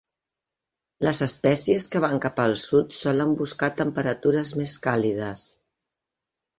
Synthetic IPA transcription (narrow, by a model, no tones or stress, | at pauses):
ləzəspɛsiəskəβ̞aŋkapəlˠsut̪sɔləmbuskat̪əmpəɾət̪uɾəzmeskalið̞əs